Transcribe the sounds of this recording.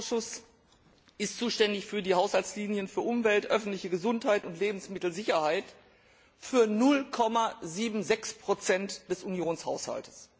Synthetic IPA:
ʊsʃʊs | ʔɪstt͡suːʃtɛndɪçfyːɐdiːhaʊshalt͡sliːnjənfyːɐʔʊmvɛltʔœfn̩tlɪçəɡəzʊnthaɪtʊntleːbm̩smɪtl̩zɪçɐhaɪt | fyːɐnʊlkʰɔmaziːbm̩zɛkspʁ̥ot͡sɛntd̥ɛsunjoːnsha̰ʊsha̰ltə̥s

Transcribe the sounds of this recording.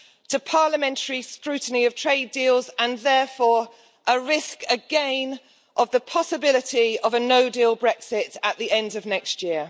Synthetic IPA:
tʰəpʰɑːləmɛ̃ntʰəɹiskɹʉˑʔn̩iəv̥tʰɹ̥eɪdiːlˠzə̃nðɛːˑfɔːɹ | ʔəɹɪskəɡẽɪ̃n | ʔəvðəpʰɒsəbɪlɪtʰiəvənəʊdiːlˠbɹɛksɪtəʔðiɛ̃ndəvnɛkstjɪə

